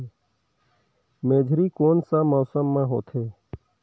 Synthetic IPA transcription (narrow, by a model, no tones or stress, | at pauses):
meːd͡ʒʱɾiːkoːnsaːmɔːsəmːãːɦo̰ːt̪ʰeː